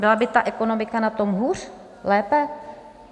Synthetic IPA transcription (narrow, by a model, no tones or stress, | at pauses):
bɪlabɪt̪aʔɛkono̞mɪkanat̪o̞mɦuːr | lɛːpɛ